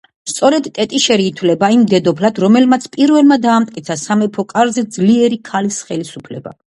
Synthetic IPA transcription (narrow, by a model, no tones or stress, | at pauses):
st̪sʼɔɾɛd̪t̪ʼɛt̪ʼiʃɛɾiːt̪ʰvlɛbaimd̪ɛd̪ɔpʰlad̪ɾɔmɛlmat̪sʰpʼiɾvɛlˠmad̪aːmt̪ʼkʼit̪sʰasamɛpʰɔkʼaɾzɛd̪zliɛɾikʰalisχɛlisupʰlɛba̰